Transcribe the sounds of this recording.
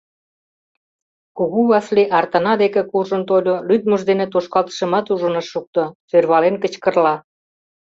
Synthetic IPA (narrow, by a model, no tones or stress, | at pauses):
kuɣuβɑsliʔɑrt̪ə̆nɑd̪ekĕkurʒə̆nt̪olʲolyt̪̚muʒd̪enet̪oʃkɑlt̪ə̥ʃə̆mɑt̪uʒə̆nə̆ʃːuk̚t̪osørβɑlenkə̆t͡ɕkə̆rlɑ